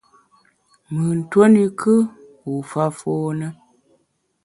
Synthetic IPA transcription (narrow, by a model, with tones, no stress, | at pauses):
mɨ˨n̩˨two˦ni˨kʰɨ˦ | u˨fa˦fo˦nə˦